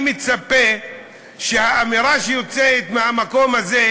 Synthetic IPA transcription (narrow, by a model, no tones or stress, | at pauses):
met͡sape | ʃehaːmiɾaʃejo̞t͡seːt̪mehamako̞maze